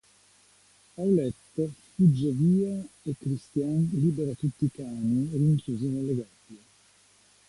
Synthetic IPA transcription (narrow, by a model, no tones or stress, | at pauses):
awlɛt̪ːfud͡ʒːeviːaekːɾist̪janliːbeɾat̪ut̪ːikaːniliŋkuzonelːeɡabie